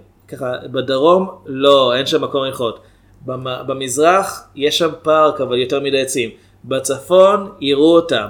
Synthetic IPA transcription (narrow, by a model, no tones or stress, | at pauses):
kaχabadaʁo̞mlo̞enʃamːako̞miχo̞t | bamabemizʁaχjeʃampaʁkavaljo̞teʁmidajat͡sim | bat͡safo̞niʁuotam